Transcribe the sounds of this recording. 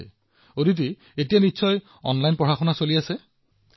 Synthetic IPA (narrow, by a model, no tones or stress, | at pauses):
odit̬i | etijanitːsɔj | ɔ̰nlajnpɹɔɦaxɔnasoliasɛ